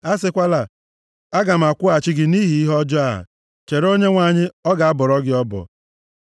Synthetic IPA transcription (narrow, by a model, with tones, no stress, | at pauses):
a˦s̬ɪ˦kʷa˦la˨ | a˦ɡa˨m̩˨a˨kʷʊ˦a˨t͡ʃɪ˦ɡɪ˨ni˦ɦi˨i˦ɦɔ˦d͡ʒɔ˦a˦˨a̰˨ | t͡ʃe˨ɾo˦ɲe˦ŋʷa˨ɲɪ˦ɔ˦ɡa˨a˦bɔ˨ɾɔ˦ɡɪ˦ɔ˦bɔ̰˨